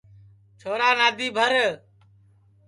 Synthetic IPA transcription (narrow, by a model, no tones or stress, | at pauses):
t͡ʃʰoːɾaːnaːd̪ʱiːbʱəɾ